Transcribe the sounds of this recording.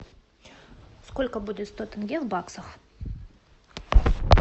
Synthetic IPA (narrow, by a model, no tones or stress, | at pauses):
skolʲkəbudʲɪt̪st̪ot̪ɪŋɡʲelbɑksəχ